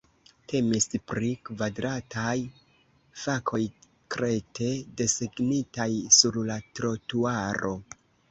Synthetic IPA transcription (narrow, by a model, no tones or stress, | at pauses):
tʰe̞mispɾikvadɾatʰaj | fakʰo̞j | kɾe̞tʰe̞de̞siɡnitajsuɾlatɾo̞tuaɾʔo̞